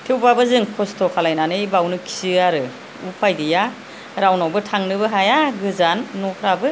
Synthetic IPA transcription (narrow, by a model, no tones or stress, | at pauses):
tʰewbabɯzɯŋkʰɔstʰɔkʰalajnanɯjbawnɯkʰi̥sɯaɾɯ | upʰajdija | ɾawnawbɯtʰaŋnɯbɯɦajaɡɯzanːɔkʰɾabɯ